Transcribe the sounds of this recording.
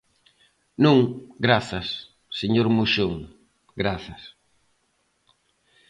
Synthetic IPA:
nũŋɡɾaθɐsː | eɲoɾmuʃoŋ | ɡɾaθɐs

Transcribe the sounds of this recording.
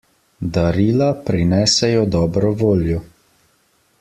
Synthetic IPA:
d̪aɾiːlapɾinɛːsɛjɔd̪ɔːbɾɔʋoːljɔ

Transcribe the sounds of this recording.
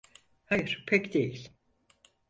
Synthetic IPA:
hajɾ̥pʰɛkd̪ejl̥ʲ

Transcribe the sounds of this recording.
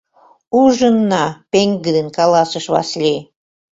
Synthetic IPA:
uʒənːɑpeŋɡəd̪ənkɑlɑsəʃβɑ̰slʲe

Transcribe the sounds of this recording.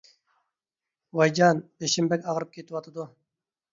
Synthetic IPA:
wɑjd͡ʒɑnbeʃimbɛkʲɑʁɾɨp̚kʰʲet̪ɨwɑt̪ʰad̪u

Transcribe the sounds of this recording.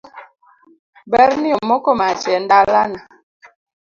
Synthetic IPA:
bɛɾniɔmɔkɔmat͡ʃɛndalana

